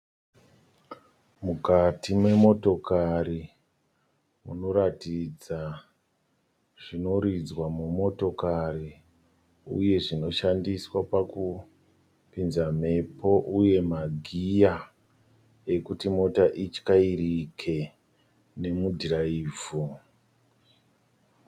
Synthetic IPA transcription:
mukatʰimwe̞mo̞to̞kaɾi | muno̞ɾatid͡za | ʐ̥ino̞ɾid͡zwamumo̞to̞kari | ṵje̞ʐino̞ʃandiswapaku | pinzam̤e̞po̞ʔuje̞maɡʱija | e̞kutimo̞taʔit͡ʃkairikʰe̞ | ne̞mudʱiraiːvu

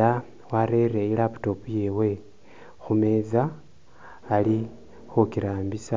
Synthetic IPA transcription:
a | waɾereilapu̥topujewe̞ | xume̞ːzaː | li | xukiɾaːmbisa

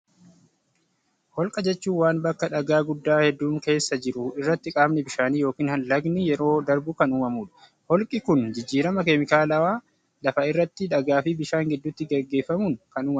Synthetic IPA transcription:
hɔlkʼɐd͡ʒɛt͡ʃːuːnwaːnbɐkːɐᶑɐɡaːɡʊd̪ːaːhɛd̪ːuːŋke̞ːsːɐd͡ʒɪɾʊɪrːɐt̪ːɪkʼaːbnɛbɪʃaːniːjo̞ːkiːnhɐnlɐɡnɪjɛɾo̞ːd̪ɐɾbʊkɐnuːmɐmuːᶑɐ̥ | hɔlkʼɪkʊnd͡ʒɪd͡ʒːiːɾɐmɐkemɪkaːlɐwaː | lɐfɐɪrːɐt̪ːɪᶑɐɡaːfibɪʃaːŋɡɛd̪ːʊt̪ːɪɡɛɡːe̞ːfːɐmuːŋkɐnuːmɐ

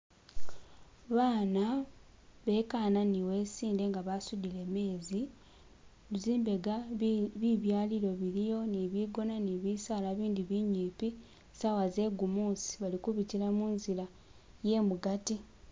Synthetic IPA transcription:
βaːna | βe̞kaːnaniwe̞ːsiːnde̞ŋɡaβasudile̞me̞ːzi | βiziːmbe̞ɡaβiβjaːliɾo̞βiɾijo̞niβiɡo̞naniβisaːlaβiːndiβiɲiːpi | sawaze̞ɡumuːsi̥βalikuβitiɾamuːnzila | je̞muɡati

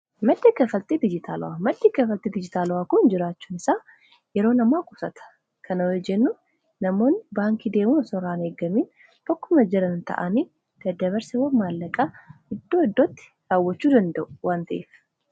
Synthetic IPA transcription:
mɐd̪ːɪkːɐfɐlt̪ʼid̪ɪd͡ʒɪt̪ʰaːlʊ̰waːmɐd̪ːɪkːɐfɐlt̪ʼiːd̪ɪd͡ʒɪt̪aːlʊwaːkʊnd͡ʒɪɾaːt͡ʃːuːnɪsaː | jɛɾo̞ːnɐmaːkʼʊsɐ̰t̪ʰɐ̥ | kʰɐnɐwɛd͡ʒɛnːʊ | nɐmo̞ːnːɪbaːŋkid̪e̞ːmunɐsɔɾaːneːɡːɐmiːn | t̪ɔkːʊmɐd͡ʒɛɾɐnnt̪ɐ̰ʔɐniː | d̪̥ɐd̪ɐβɐɾsɐwɐmaːlːɐkʼɐɪd̪ːoːɪd̪ːot̪ːɪ̥ | ɾaːwːɐt͡ʃːuːd̪ɐnd̪ɐʔʊwaːnt̪ɐʔeːf

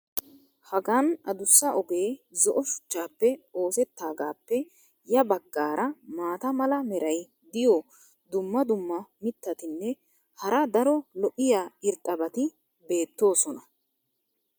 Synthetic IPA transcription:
hɐɡanɐd̪ʊsːɐʔɔɡe̞ːzɔʔɔʃʊ̥t͡ʃːaːpːɛo̞ːsɛt̪ːaːɡaːpːɛ | jɐbɐɡːaːɾʔɐmaːt̪ɐmɐlɐmɛɾɐj | d̪ɪjɔ | d̪ʊmːɐd̪ʊmːɐmɪt̪ːɐt̪ɪnːɛ | hɐɾɐd̪ɐɾɔlɔʔɪjaːɪɾt̪ʼːɐbɐt̪ɪ | be̞ːt̪ːo̞ːsɔnɐ

